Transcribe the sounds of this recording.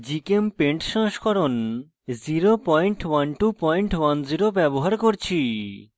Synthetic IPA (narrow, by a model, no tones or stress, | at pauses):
d͡ʑikempeɳʈʃɔ̃ŋʃkʰɔɾon | ziɾopɔjɳʈwanʈupɔjɳʈwand͡ʑiɾobɛboɦaɾkoɾt͡ɕʰi